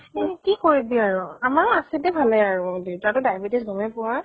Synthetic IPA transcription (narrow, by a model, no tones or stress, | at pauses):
ekikoɹibiaɹʊamakasɛtɛbʱalɛaɹʊditatʊdajbetisbʱɔmɛpʊa